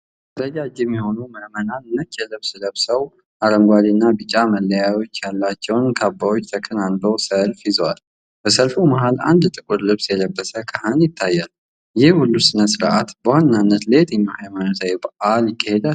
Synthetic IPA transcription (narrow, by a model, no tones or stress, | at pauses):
əɾəd͡ʒad͡ʒɛmːiho̞numəmənanɨnːət̪jɛlɨβsɨləβsəw | ʔaɾəŋɡʷad̪inːabɨt͡ʃʼaməlːəjajo̞t͡ʃːjalːat͡ʃːɛwnkʰabːawot͡ʃːt̪ʰəkʰənalbəwsəlfjɪzwal | b̥əsəlfumaɦala̰nd̪t̪ʼɨkʼuɾlɨβsjɛləbːəsəkʰəhənjɪt̪ʰːajːal | jɪhhulːusɨnəsɨɾʔat̪bəhannanːət̪let̪ʼɨɲːahajmanosajbəʔaljɪkʼːəhed̪a